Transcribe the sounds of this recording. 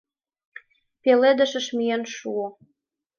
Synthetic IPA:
peled̪ə̆ʃə̆ʃmyjenʃuo

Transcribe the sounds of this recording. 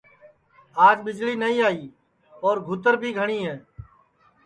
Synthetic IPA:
aːd͡ʒɓɪd͡ʒliːnəĩːaːiː | ɔːɾɡʱʊt̪əɾbʱiːɡʱəɳiːɦẽː

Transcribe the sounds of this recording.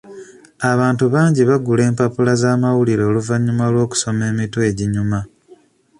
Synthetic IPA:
aβaːntuβaːɲɟiβaɡule̞ːmpapulazaːmawuliɾe̞ːluvaɲːumalwo̞ːku̥so̞me̞ːmitwe̞ːɟiɲuma

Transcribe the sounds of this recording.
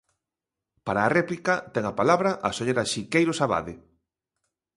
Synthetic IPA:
paɾaːrɛplikɐt̪ɛŋapalaβɾɐʔɐsoʎeɾaʃikejɾosaβa̰ðɪ

